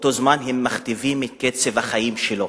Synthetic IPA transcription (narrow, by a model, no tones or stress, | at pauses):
ot̪ozmanɦemːaχt̪ivimeket͡sevhaχajimʃelo